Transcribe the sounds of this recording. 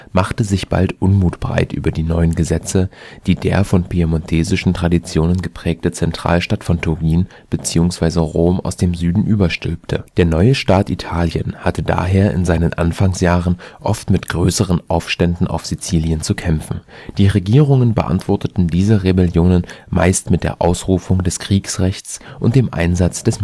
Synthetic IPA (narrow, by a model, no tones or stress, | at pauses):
maχtəzɪçb̥a̰ltʔʊnmuːtb̥ʁa̰ɪtʔy̰ːbɐdiːnɔʏənɡəzɛt͡səd̥iːdeːɐfɔnpʰiamɔntʰeːzɪʃn̩tʁ̥adit͡sjoːnənɡəpʁ̥ɛːk̚tət͡sɛntʁ̥a̰ːlʃtatfɔntʰʊɡiːn | b̥ət͡siːʊŋsv̥aɪzəʁoːmʔa̰ʊsd̥eːmzyːdn̩ʔyːbɐʃtʏlp̚tʰəd̥eːɐnɔʏəʃtaːtʔitʰaːljə̰nhatəda̰ːɦeːɐʔɪ̰nzaɪnənʔa̰nfaŋsjaːʁənʔɔftmɪtɡ̥ʁøːsəʁ̞ənʔaʊfʃtɛndn̩ʔa̰ʊfz̥it͡siːljənt͡sukʰɛmfn̩d̥iːʁeɡiːʁʊŋənbə̰ʔa̰ntv̥ɔɐtətn̩diːzəʁebɛljoːnənma̰ɪstmɪt̚d̥ḛːɐʔaʊsʁuːfʊŋdɛskʁ̥iːksʁɛçt͡sʔʊnt̚d̥eːmʔa̰ɪnzat͡sd̥ɛs